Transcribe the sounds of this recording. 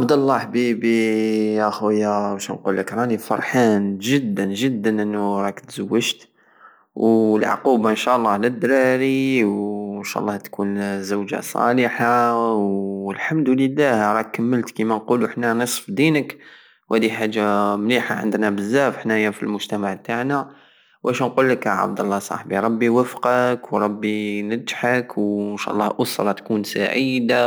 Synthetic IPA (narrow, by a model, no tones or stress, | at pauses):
ʔabd̪ɑlˤːɑħbibiʔəxwjæwæʃænqulːəkɾˤɑnifɑ̰ɾˤħanʒəd̪ːənʒəd̪ːənʔənːuɾˤɑkt̪z̥əwːəʒt̪ | wlʕ̰qubaənʃæʔlˤːɑlæd̪ːɾɑɾiwnʃæ̰ʔlːɑht̪kʰunzəwʒa̰sˤɑ̰ləħawəlħamd̪uləlːæhɾˤɑkəmːəlt̪kimænquluħnænəsˤfd̪inək | whæd̪iħaʒːamliħaʕə̰nd̪næbəzːæfħnæjæfilmʊʒt̪æmaʕbt̪aʕnæ | wæʃænqulːəkʕa̰bd̪ɑlˤːɑsˤɑ̰ħbiɾˤɑbːiwəfqɑkwɾˤɑbːinəd̪ħakwnʃæ̰ʔlˤːɑʔʊsɾˤɑt̪kunsa̰ʕid̪a